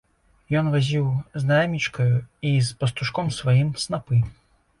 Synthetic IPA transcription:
jɔnvazʲiwznajamʲit͡ʂkɐjuispɐst̪uʂkɔmsvajimsnapɨ

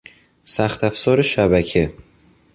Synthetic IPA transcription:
sæxt̪ʰæfsɒːɾeʃæbæcʰe

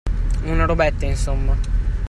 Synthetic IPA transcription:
unaɾobɛt̪ːainsomːa

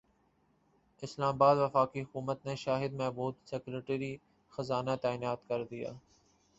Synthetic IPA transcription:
ɪslaːmbaːd̪ʋəfaːkiɦʊkuːmət̪neʃaːɦɪd̪mẽːboːt̪sekleʈeɾi | xɐzaːnat̪aːɪnaːt̪kɐɾd̪ija̰ː

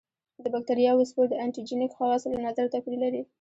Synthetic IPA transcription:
d̪əbak̚t̪aɾjɑwəspəɾd̪əaɳʈid͡ʒinɪkxɑlɑslanazaɾt̪apiɾilaɾi

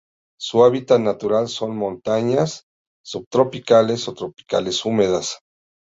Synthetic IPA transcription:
suaβit̪at̪nat̪uɾalso̞nmõ̞nt̪aɲasː | uβ̚t̪ɾo̞pikale̞sot̪ɾo̞pi̥ka̰le̞sumeðas

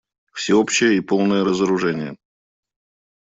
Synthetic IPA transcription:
fsʲɪopɕːɪjəipo̞lˠnəjəɾəzəɾʊʐɛnʲɪjə̰

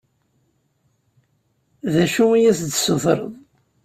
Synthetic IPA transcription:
ðæʃuijæsd̪sʊθɾˤə̰ðˤ

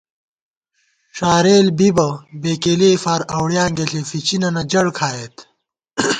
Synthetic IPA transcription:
ʂaːɾeːlbibɐbeːkeːleːfaːɾɐwɽjãːŋɡeɬefit͡ɕinɐnɐd͡ʑɐɽkʰaːjet̪

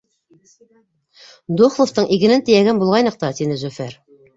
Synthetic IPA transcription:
d̪oχlˠoft̪ɤɴʔiɡɘ̆nɘnt̪ɘjæɡɘnbulʁɑjnɤq̚t̪ɑt̪inɘzɵfæɾ

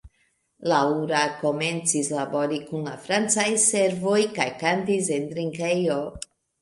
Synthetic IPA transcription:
lauɾako̞me̞nt͡sislabo̞ɾikunlafɾant͡sajse̞ɾvo̞jkajkantis̬end̪ɾiŋkejo

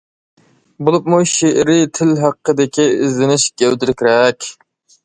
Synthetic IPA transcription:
bolˠupmuʃeʔɾit̪ʰɪlɦæqːəd̪ɪkʲiɪzlɪnɪʃɡ̥ʲæwd̪ɪɾɪkʲɾɛkʲ

